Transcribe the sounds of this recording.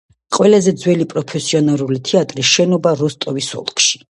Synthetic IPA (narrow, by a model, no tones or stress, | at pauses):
qʼwɛlazɛd̪zwɛlipʼɾɔpʰɛsiɔnaɾulit̪ʰɛat̪ʼɾisʃɛnɔbaɾɔst̪ʼɔvisɔ̰lˠkʰʼʃi̥